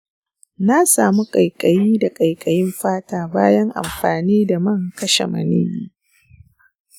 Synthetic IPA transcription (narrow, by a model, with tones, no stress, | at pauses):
na˦saː˨mu˦kʼɐ˨jkʼɐ˨jiː˦da˨kʼɐ˨jkʼɐ˨jɪ˦mɸaː˦taː˨baː˦jɐ˦ŋʔa̰˨mɸaː˨niː˦da˨mɐ˦˨ŋ˨kɐ˦ʃḛ˨mɐ̰˨nḛː˦biː˦